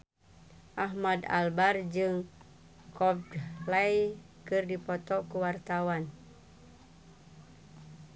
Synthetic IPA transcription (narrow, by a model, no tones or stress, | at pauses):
ʔaɦmada̰lbard͡ʒɨŋ | kʰɔbdlaj | kɨrdipɔt̪ɔkuwart̪awan